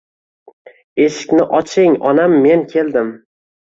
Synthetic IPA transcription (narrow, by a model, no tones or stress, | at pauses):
e̞ʃɪ̥kʲnɪʔɒt͡ʃʰɪŋɒnamːe̞nkʲʰe̞ld̪ɪm